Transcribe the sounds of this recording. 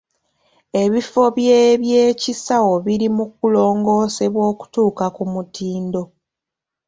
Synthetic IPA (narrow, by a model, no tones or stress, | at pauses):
e̞βifo̞βjeːβjeːcisawo̞βiɾimuk̚ulo̞ːŋɡo̞ːse̞βwo̞ːku̥tuːkakumutiːndo̞